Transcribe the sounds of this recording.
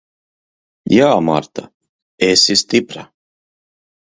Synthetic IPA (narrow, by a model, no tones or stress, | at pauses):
jaːma̰ɾt̪a̰ | esist̪ipɾa